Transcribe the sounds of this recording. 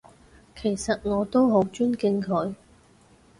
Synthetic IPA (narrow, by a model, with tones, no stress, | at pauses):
kʰe˨˩jsɐ˨t̚ŋɔː˨˧t̪o˥wɦo˨˥wt͡ʃyː˥nkɪ˧ŋkʰɵ˨˧˥ɥ